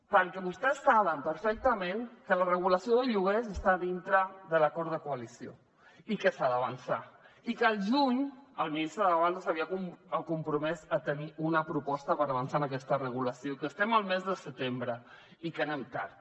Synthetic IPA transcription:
pəɾkɛβust̪ɛsːaβəmpəɾfɛk̚t̪əmẽŋkələrəɣuləsioðəʎuɣezəst̪aðint̪ɾəðələkɔɾðəkuəlisio̰ | ikəsaðəβənsa̰ | ikəlˠʒuɲəlˠminist̪ɾəðəðəβand̪əsəβiəkuməkumpɾumɛzət̪əniʔunəpɾupɔst̪əpəɾəβənsaənəkɛst̪ərəɣuləsiokəst̪ɛməlˠmɛzðəsət̪embɾə | ikənɛmt̪a̰ɾ

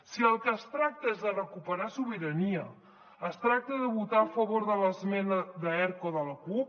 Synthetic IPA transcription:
siəlˠkəːst̪ɾak̚t̪əezðərəkupəɾasuβiɾəniə | əst̪ɾak̚t̪əðəβut̪aəfəβoɾðələzmɛnəðəɛɾkoðələkup̚

